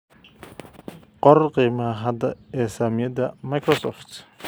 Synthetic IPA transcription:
qɔrqiːmɐɦɐd̪ɐɛːsaːmɪjɐd̪ɐmɐjkʰrɔsɔft̪

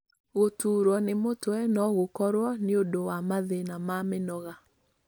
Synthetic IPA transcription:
ɣotuːɾwɔnemotoɛnɔɣokɔɾwɔneodowamaðenamamenɔɣa

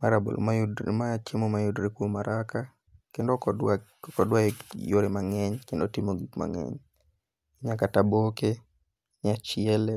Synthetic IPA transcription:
maɾabo̰l̰majudɾḛmaat͡ʃemomajudɾekwomaɾʔaka | kendɔ | kɔdwaejoɾemaŋɛɲkendotɪmoɡikma̰ŋɛ̰ɲ | ɲakataboke | ɲat͡ʃɪɛlɛ

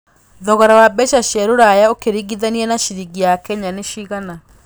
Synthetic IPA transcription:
ðɔɣaɾawabɛʃaʃjɛɾoɾajaokeɾiɡiðaniɛnaʃiɾiɡijakɛɲaneʃiɣana

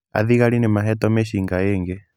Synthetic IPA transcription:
a̰ðiɣaɾinemaɦɛtɔmeʃiŋɡaeːŋɡɛ

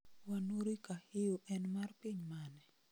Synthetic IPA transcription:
wanoɾikahɪjoʔɛnmarpiɲmanɛ

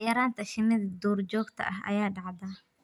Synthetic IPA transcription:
jɐɾaːnt̪ʰɐʃɪmɪðɐd̪uːrd͡ʒɔːɡt̪ʰɐ̰ʔɐɦɐ̰jaːɖɑʕðɐ

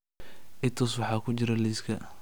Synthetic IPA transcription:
ʔɪnt̪ʰɔːswɑħɑːkʰʊt͡ʃɪɾɐliːskʰɐ

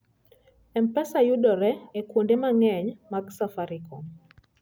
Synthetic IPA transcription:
ɛmpɛsajuɗɔɾɛːkwondemaŋɛɲmaksafaɾikɔ

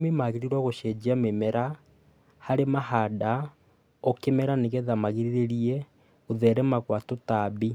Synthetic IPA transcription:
memaɣeɾiɾwɔɣoʃɛd͡ʒiamemɛɾa | haɾemahada | ɔkemɛɾaneɣɛðamaɣiɾiɾeɾiɛ | oðɛɾɛmaɣwatotaβi

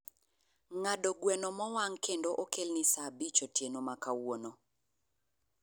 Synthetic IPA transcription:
ŋadɔɡwɛnɔmɔwaŋkʰendoʔokelnisabit͡ʃotjenomakawono

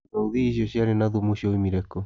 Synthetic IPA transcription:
ouðiːs̬osiaɾenaðumuʃioimiɾeko

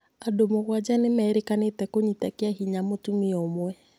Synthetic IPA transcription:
adomoɣwad͡ʒanemɛːɾekanetɛkoɲitakeaɦiɲamotumiɔmwɛ

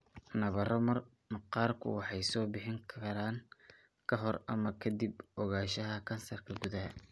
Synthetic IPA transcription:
nɐβɐrɔmɐr | mɑqɑːrkʰʊ̰wɑħɑjsɔːbɪħɪŋkʰɐɾaːŋ | kʰɐɦɔrɐmɐkʰɐd̪ibɔɣaːʃɐɦɐkʰɐnsɐrkʰɐɡʊðɐɦɐ

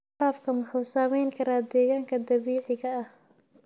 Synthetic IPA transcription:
ɾaːfkʰɐmʊħuːsaːmɛjŋkʰɐɾaːd̪ɛːɣaːŋkʰɐd̪ɐβiːʕɪɣɐɐh

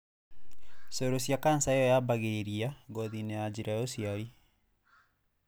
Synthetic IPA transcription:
soɾosjakansaeɔjabaɣeɾiaɡɔðinead͡ʑiɾajɔsiaɾi

